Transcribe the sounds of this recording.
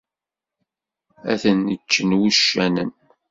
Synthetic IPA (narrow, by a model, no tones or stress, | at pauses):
æ̰θənːət͡ʃːənwuʃːænən